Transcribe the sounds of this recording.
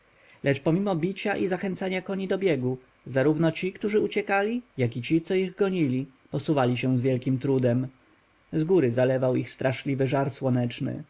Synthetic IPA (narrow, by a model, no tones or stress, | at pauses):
lʔɛt͡ʂpɔmʲimɔbʲit͡ɕaʔizaxɛnt̪saɲakɔɲid̪ɔbʲjɛɡu | zaɾuvnɔt͡ɕikt̪uʐɘut͡ɕɛkalʲijakit͡ɕit̪sɔiɣɡɔɲilʲi | pɔsuvalʲiɕɛw̃zvʲjɛlkʲimt̪ɾud̪ɛm | zɡuɾɘzalɛvawixst̪ɾaʂlʲivɘʐaɾswɔnɛt͡ʂnɘ̰